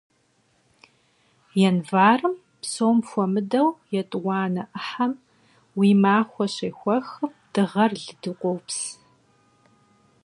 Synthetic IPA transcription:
jɛnvaːrɨm | psoːmfʷɔmɨdɐwjɛtʼwɑːnɐʔəħam | wiːmaːxʷɔɕeːxʷɐxɨmd̥ɨʁɐrɮɨdɨqʷʼowps

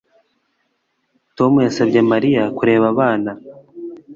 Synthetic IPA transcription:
to̞mujasabɟe̞maɾijakuɾe̞ːβaβaːna

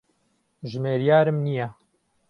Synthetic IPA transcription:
ʒmeːɾjaːɾɨmnijɛ

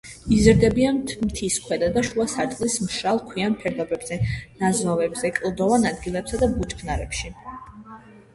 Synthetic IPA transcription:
izɾd̪ɛbianmt̪ʰiskʰwɛd̪ad̪aʃuasaɾt̪ʼlismʃɾalˠkʰwianpʰɛɾd̪ɔbɛbz̥ɛnazvavɛbzɛkʼlˠd̪ɔvanad̪ɡilɛbsad̪abut͡ʃʼpʰnaɾɛ̰pʃi

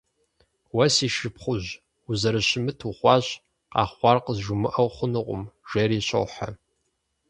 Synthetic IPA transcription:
wɐsiːʃɨpχʷʊʑ | uzɐɾɨɕɪmɨtʰuχʷɑːʑ | qɑ̰ːχʷɑrqəzʒʊmɨʔɐwχʷʊnɨqʷʼʊ̰mʒ̥ɐɾiːɕʰʼɐ̰wħa̰

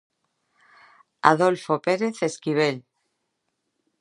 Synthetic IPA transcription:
a̰ðolfopeɾeθeskiβ̞el

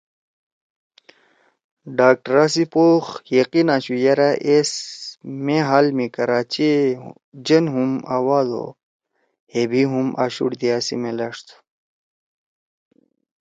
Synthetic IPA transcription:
ɖaːk̚ʈɾaːsipoːxjɐqinaːɕujɐɾaʔesmeɦaːlmikɐɾaːt͡ɕi | d͡ʑɐnɦuma̰ːwaːd̪o̰ | hebiɦumʔa̰ːɕṵɽd̪iaːsḭmelɐʂt̪ʰ

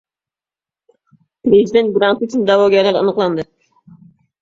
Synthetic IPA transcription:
pɾezid̪ent̪̚ɡɾant̪yt͡ʃʰynd̪ɑwɔɡʲalæɾɑ̰nɨqlˠɑnd̪ɨ

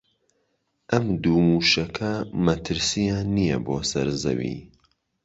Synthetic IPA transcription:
ʔɐmd̪uːmuːʃɐkʰɐmɐt̪ʰɨɾsijaːnːijɐ̰boːsɐɾzɐ̰wḭː

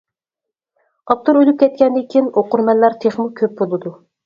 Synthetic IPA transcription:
ɑp̚t̪ʰuɾølyp̚kʲʰɛt̪̚kʲʰɛnd̪ɪkʲʰinoqʊɾmɛlːɑɾt̪ʰeχmukʲʰøp̚bolˠɨd̪u

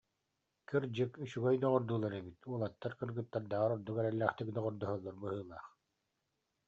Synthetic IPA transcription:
kɯɾd͡ʑɯkyɕyɡœjd̪ɔʁɔɾd̪uːlˠaɾɛbit̪uɔlˠat̪ːaɾkɯɾɡɯt̪ːaɾd̪aːʁaɾɔɾd̪ukɛɾɛlːæːχt̪ikd̪ɔʁɔɾd̪ɔɦɔlˠːɔɾbɯɦɯːlˠaːχ

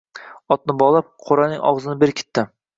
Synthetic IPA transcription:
ɒt̪̚nɪbɒlˠap̚qʰoɾanɪŋɒ̰ʁzɪnɪbeɾkʲʰɪ̥t̪ʰːɪ

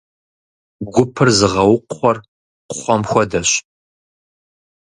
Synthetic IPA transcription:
ɡʷʊpʰɨrzɨʁɐwʊqʷχʷɔr | qχʷɔmxʷɔdɐɕ

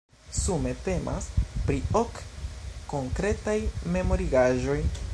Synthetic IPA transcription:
sume̞te̞mʔa̰spɾio̞kː | oŋkɾe̞tajme̞mo̞ɾiɡaʒo̞j

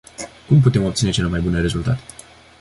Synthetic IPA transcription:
kumput̪e̞mopt̪sine̞t͡ʃelomajbune̞ɾe̞zult̪a̰t̪e̥

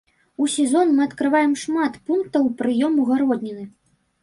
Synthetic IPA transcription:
usʲɛzɔnmɨɐt̪kɾɨvajɛmʂmat̪punk̚t̪ɐwpɾɨjɔmuɣaɾɔd̪ʲnʲinɨ

